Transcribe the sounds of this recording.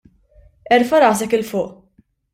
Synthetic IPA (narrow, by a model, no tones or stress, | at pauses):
ɛɾfɐɾɐːs̬ɛkɪlfʊːʔ